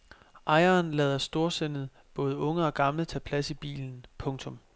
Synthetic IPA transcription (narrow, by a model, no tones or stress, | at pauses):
ʔɑ̈ɪɐːnlɛːð̞ˠɐsd̥o̝ɐsenð̞̩ˠ | b̥ɔ̽ːð̞̩ˠəɔ̽ŋəɒ̽ɡ̥ɑ̈mlət͡sʰɛ̰ːpʰlæsib̥ḭːln̩pʰɔ̽ŋt͡sʰɔ̽m